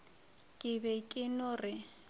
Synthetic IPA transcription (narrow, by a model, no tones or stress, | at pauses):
kʼɪβɛkʼɪnʊrɪ